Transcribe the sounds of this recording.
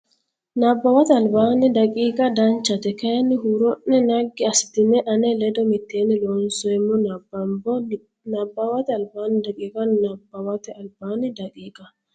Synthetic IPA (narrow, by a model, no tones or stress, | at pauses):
nabːawat̪ɛalbanidakʼiːkʼad̪ant͡ʃat̪ɛkajaniɦuɾɔʔːɛnaɡːiast̪ɪmɛʔanɛlɛd̪ɔmit̪ːeːnilɔnsɔɛmɔbab | nabːawat̪ɛalbaːnidakʼiːkʼanabawat̪ɛalbaːnidakʼiːkʼa